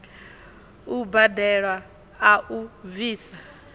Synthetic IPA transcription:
ubadɛɺwa | aʔuviːsa

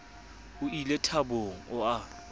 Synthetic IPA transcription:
ʊilɛtʰaboŋ̩ʊa

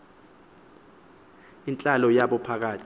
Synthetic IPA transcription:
int͡ɬʼalɔjaɓɔpʰak̬aːtʰi

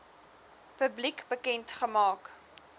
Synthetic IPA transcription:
pəblikbəkɛntχəmɑːk

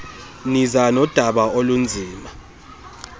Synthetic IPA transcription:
nizanɔd̥ʱaɓaolund͡zʱiːma

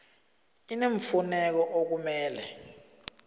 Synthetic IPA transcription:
ineɱ̩funɛk̬ɔʔok̬umɛːlɛ̰

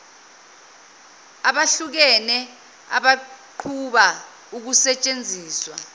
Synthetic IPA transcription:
aɓaɬuk̬ɛnɛ | a̰ɓaǃʰuɓa | uk̬usɛt͡ʃʼend͡zʱiːswa̰

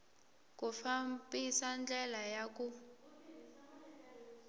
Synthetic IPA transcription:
kufambisand͡ɮʱɛlajak̬u

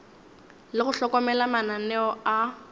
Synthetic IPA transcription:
lɪχʊɬɔkɔmɛlamananɛɔa

